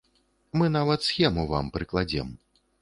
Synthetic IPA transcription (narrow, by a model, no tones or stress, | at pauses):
mɨnavɐt̪sxʲɛmuva̰mpɾɨklˠad͡zʲɛ̰m